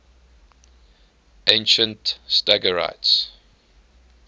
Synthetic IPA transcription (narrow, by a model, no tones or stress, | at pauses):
ʔẽɪ̃nʃə̃ntstaɡəɹa̰ɪts